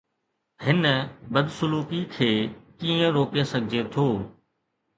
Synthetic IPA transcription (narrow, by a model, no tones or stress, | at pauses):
hɪnbəd̪sʊluːkikʰeːkiːə̃ɾoːkesɐɡʱɪd͡ʑet̪ʰoː